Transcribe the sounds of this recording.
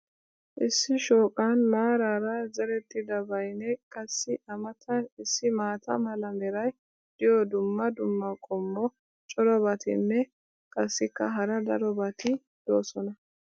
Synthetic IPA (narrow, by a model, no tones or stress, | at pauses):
ʔɪsːɪʃoːkʼanmaːɾaːɾɐzɛɾɛt̪ʼːɪd̪ɐbɐjnɛkʼɐsːɪʔɐmɐt̪ʰɐɪsːɪmaːt̪ʰɐmɐlɐmɛɾɐj | d̪̥ɪjɔd̪ʊmːɐd̪ʊmːɐkʼɔmːɔ | t͡ʃʼɔɾɔbɐt̪ɪ̰nːɛ | kʼɐsːɪkːɐɦɐɾɐd̪ɐɾɔbɐt̪ɪ | d̪̥o̞ːsɔnɐ